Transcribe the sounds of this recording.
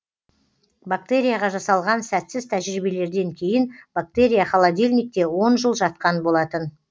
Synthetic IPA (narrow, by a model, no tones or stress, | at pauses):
bak̚t̪e̞ɾʲijaʁɑʒɑsɑlˠʁɑnsæt̪sɪzt̪ʰæʒɾibe̞le̞ɾd̪e̞ŋkʲʰe̞jɪnb̥ak̚t̪e̞ɾʲijaχɑlˠad̪ʲelʲnijk̚t̪e̞wo̞nʒəlˠʒɑt̪̚qɑnbo̞lˠɑt̪ən